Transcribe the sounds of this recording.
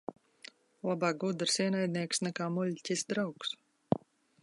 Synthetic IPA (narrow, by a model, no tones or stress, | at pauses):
lˠabaːk̚ɡud̪ɨɾsiɛnajd̪̚niɛksnɛkaːmulʲcʲisd̪ɾawks